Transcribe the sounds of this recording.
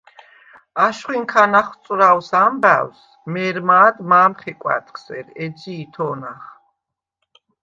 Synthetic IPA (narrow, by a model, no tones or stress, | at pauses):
aʃχwiŋkʰanaχt̪sʼɾawsambæws | mɛɾmaːd̪maːmχɛkʼwa̰t̪ʰʼkʰsɛɾɛdd͡ʒiːt̪ʰɔːnaχ